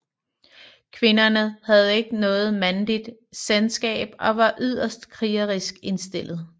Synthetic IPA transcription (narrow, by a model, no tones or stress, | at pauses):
kʰʋe̝nɐnəhæð̞̩ˠe̝ɡ̥ənɔ̽ːð̞̩ˠmænlid̥selsɡ̥ɛ̰ːb̥ɒ̽ʋɑ̈ʔyð̰ˠɐsd̥kʰʁiːɐʁisɡ̥e̝nsd̥e̝l̰ð̞̩ˠ